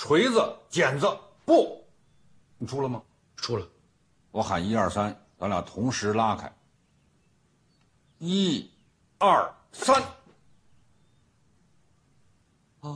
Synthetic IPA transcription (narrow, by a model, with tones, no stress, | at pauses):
ʈ͡ʂʰwe˧˥ɪd͡zə˧t͡ɕjɛ˨˩nd͡zə˧ | pɔ˥˩˨ | ʈ͡ʂʰu˥lə˨mɐ˩ | ʂu˥lə˨ | wɔ˧˥xa˨˩ni˥ɐ˞˥˩sa˥nta˧˥lja˨˩t̪ʰʊ˧˥ŋʂɻ̩˧˥la˥kʰa̰˨˩˦ɪ | i˥ | ɐ˥˩ | sa˥n